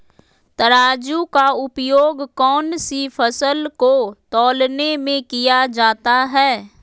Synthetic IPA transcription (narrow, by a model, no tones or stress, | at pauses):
t̪ɐɾaːd͡ʒũkaʊpjoːɡkɔːnsifəsəlkot̪ɔːlnemẽkijad͡ʒaːt̪aɦɛː